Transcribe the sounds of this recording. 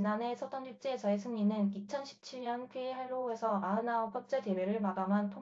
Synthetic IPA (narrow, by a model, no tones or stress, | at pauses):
nane̞sʰʌt͈ʌnuk̚t͡ɕ͈et͡ɕʌesʰɯŋɲinɯnit͡ɕʰʌnɕʰi̥p̚t͡ɕʰiɭɲʌnkʰeːɦaɭːoesʰʌaɯnaopʰʌt͡ɕ͈edeweɾɯɭmaɡamɦantʰo